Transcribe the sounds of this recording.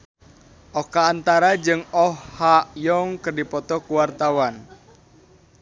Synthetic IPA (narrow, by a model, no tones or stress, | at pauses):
ʔɔkaːnt̪aɾad͡ʒɨŋɔhːaʔjɔŋkərdipɔt̪ɔkuwart̪awan